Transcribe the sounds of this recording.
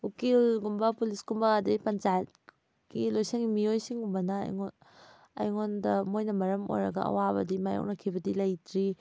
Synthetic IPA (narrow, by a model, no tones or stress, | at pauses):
ukilɡumbɐpulisɡumbɐːdɐɡipɐnt͡ʃajt̚ | ɡilojseŋɡimiojsiŋɡumbɐnɐ̰ːjŋo | ɐ̰jŋondɐmojnɐmɐɾɐmo̰jɾɐ̰ɡɐ̰ɐ̰wabɐ̰dimajɔ̰k̚nɐkʰibɐdilɐjtʰɾi